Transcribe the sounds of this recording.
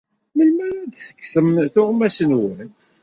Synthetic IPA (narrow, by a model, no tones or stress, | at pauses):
məlmæɾæd̪θə̥kːsəmθʊʁmæsənwæn